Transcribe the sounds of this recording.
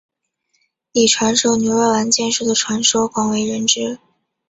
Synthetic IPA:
i˨˩ʈ͡ʂʰwa˧˥nʂo˥˩ʊnjo˧˥ʊə˧˥la˧˥nt͡ɕjɛ˥˧nʂu˥˩d̪ə˩ʈ͡ʂʰwa˧˥nʂo˥ʊkwɑ˨˥˩ŋwe˧˥ɪɻə˧˥nʈ͡ʂɻ̩˥

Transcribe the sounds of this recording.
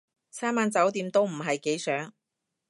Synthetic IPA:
sʰaː˥maː˧nt͡sɐ˨˥wt̪iː˧mt̪o˥wm̩˨˩ɦɐ˨jke˨˥jsœː˨˥ŋ

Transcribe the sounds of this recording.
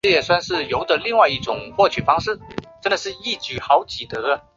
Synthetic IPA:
ə˥˩jɛ˨˩swa˥˧nʂɻ̩˥˩jo˧˥ʊd̪ə˨li˥˧ŋwa˥˧ɪi˥˩ʈ͡ʂʊ˨˩ŋxwɔ˥˩t͡ɕʰy˨˩fɑ˥ŋʂɻ̩˥˩ʈ͡ʂə˥nd̪ə˨˩ʂɻ̩˥˧i˥˩t͡ɕy˨˩xɑ˧˥ʊt͡ɕi˨˩t̪ɤ˧˥

